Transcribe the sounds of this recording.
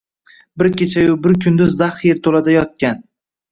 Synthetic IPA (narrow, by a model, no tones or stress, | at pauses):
bɪɾkʲʰet͡ʃʰajʊbɪɾkʲʰʊnd̪ʊzːaχeɾt̪ʰolad̪ajɒt̪̚kʲan